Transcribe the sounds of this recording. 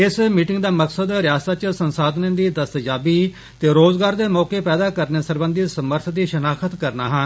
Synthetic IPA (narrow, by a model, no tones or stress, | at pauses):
ɪsmiːʈɪ̃ŋɡd̪aːməksəd̪ɾɪjaːsaːt͡ʃsənsaːd̪nẽːd̪iːd̪əst̪d͡ʒaːbiː | t̪eːɾoːzɡaːɾd̪eːmɔːkeːpɛːd̪aːkəɾneːsəɾbə̃nd̪isəməɾt̪ʰd̪iːʃənaːkʰət̪kəɾnaːɦən